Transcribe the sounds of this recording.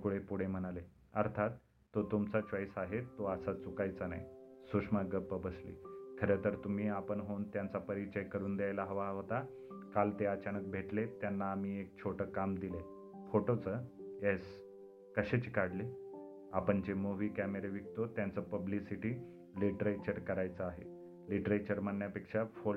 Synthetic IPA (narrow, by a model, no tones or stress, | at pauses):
kuɽ̤epuɽ̤em̤əñale | əɾt̪ʰat̪ː | ot̪umt͡sat͡ɕʋaisaɦet̪ːoəsat͡sukajt͡sanaisukʂmaɡəpːəbəslḭːkʰəɾet̪əɾt̪um̤iːapəɳɦont̪jant͡sapəɾit͡ɕəjkəɾuːnd̪jajlaɦəʋaɦot̪a | kalt̪eət͡ɕanək̚bʱeʈlet̪janːaːmiːek̚t͡ɕʰoʈəkamd̪ile | foʈot͡səes | kəɕet͡ɕikaɽle | apəɳt͡ɕemoʋiːkæmeɾeʋik̚t̪ot̪jant͡səpəblisiʈiː | liʈɾet͡ɕəɾkəɾajt͡səaɦḛ | liʈəɾet͡ɕəɾmanːjapekʂafo